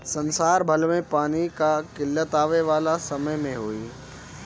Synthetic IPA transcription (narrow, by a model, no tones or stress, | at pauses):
sɐnsaːɾbʱɐlmẽpaːnikakɪlːət̪aːʋeʋaːlasɐməjmẽɦoːiː